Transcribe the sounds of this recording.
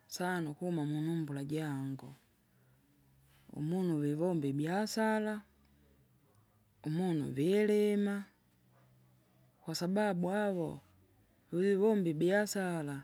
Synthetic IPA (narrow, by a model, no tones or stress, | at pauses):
sanukuhumamunumbulaɟaŋɡɔ | ṵmunuβiβɔmbibjasala | umunṵvilɛma | kwasababuaβɔ | βiβiβɔmbibjasala